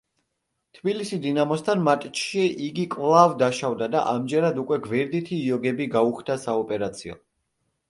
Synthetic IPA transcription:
t̪ʰbilisid̪inamɔst̪ʰanmat̪ʼt͡ʃʰʃiʔiɡikʼvlˠavd̪aʃavd̪ad̪a̰ʔamd͡ʒɛɾad̪ukʼwɛɡvɛɾd̪it̪ʰiːɔɡɛbiɡauχʰd̪asaɔpʼɛɾat̪sʰiɔ̰

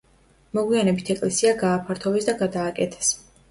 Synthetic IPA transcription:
mɔɡwianɛbit̪ʰɛkʼlɛsiaɡaːpʰaɾt̪ʰɔbɛsd̪aɡad̪aːkʼɛt̪ʰɛ̥s

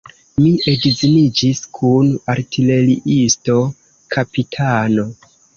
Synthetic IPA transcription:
miedizinid͡ʒiskʰunaɾtʰile̞liʔisto̞ | kʰapitʰano̞

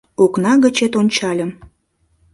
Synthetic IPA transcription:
uknɑɣət͡ɕet̪onʲt͡ɕɑlʲə̆m

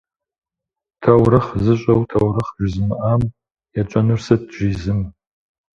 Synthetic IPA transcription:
tʰawrɨχzɨɕʷʼɐwtʰawrɨχʒᶣʷzɨmʔam | jat͡ʃʷʼɐnɨrsɐd̚ʒʷiːzɨm

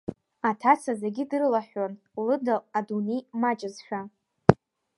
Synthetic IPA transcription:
atʰat͡sʰazeɡʲidɨrɨlaħᶣʷon | lɨdaladunejmat͡ʃʼɪzʃʷᶣa

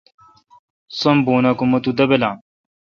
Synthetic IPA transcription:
sɐmboːnakumɐt̪ud̪ɐbɐlaːm

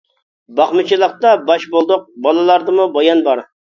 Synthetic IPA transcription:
bɑχmɨt͡ʃʰilˠəqt̪ɑbɑʃbolˠd̪ʊq̚bɑlˠɨlˠɑɾd̪ɨmubɑjɑnbɑɾ

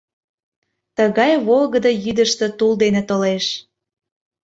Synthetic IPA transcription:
t̪əɣɑjβolɣəd̪ɤjyd̪əʃt̪ə̆t̪uld̪enĕt̪oleʃ

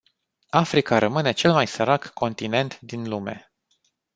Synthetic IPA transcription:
afɾikaɾʔəmɨne̞t͡ʃe̞lmajsəɾakːo̞nt̪ine̞nt̪d̪inlume̞̰

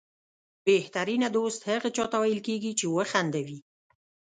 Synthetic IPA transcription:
beht̪aɾinad̪ost̪haɣat͡ʃɑt̪awajəlkeɡit͡ʃewəxand̪awi

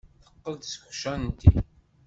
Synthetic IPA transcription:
θə̥qːəld̪sə̥kʃænnt̪ḭ

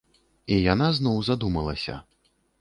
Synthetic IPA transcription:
ijanaznɔwzad̪umɐlˠɐsʲɐ̰

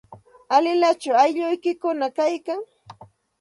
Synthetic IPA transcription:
alɪlat͡ʃawajʎʊjkɪkʊnakajkaŋ

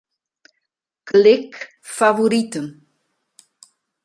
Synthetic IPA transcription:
klɪk | favoɾitən

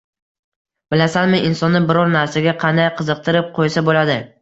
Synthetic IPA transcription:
b̥ɪlasanmɪʔɪnsɒnːɪbɪɾɒɾnaɾsaɡʲaqʰɑnd̪ajqʰɨzɨq̚t̪ʰɪɾɪp̚qʰojsabolad̪ɪ

